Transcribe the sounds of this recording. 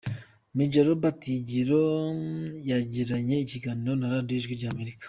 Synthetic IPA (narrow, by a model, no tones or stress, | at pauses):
miɟaɾobatiɟiɾo | jaɟiɾaɲe̞iciɡaniɾo̞naɾadioiʒɡwiɾɟaːme̞ɾikḁ